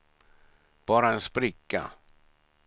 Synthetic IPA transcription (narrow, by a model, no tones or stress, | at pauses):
b̥ɑːɾaɛnspɾɪkːa̰